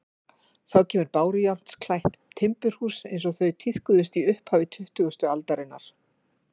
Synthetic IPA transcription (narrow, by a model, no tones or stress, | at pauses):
θawcʰɛːmʏɾpaːwɾʏjalt̪skʰlajht̪ʰːɪmpʏɾ̥huːsejns̬ɔɣθœɥt̪ʰiθkʏðʏst̪iʏhphaːvɪt̪ʰʏht̪ʏɣʏst̪ʏalt̪aɾɪnːaɾ̥